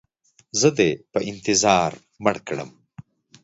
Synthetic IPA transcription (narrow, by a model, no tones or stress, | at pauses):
zəd̪epəʔɪnt̪ɪzɑːɾ | mɐɽkɽə̰m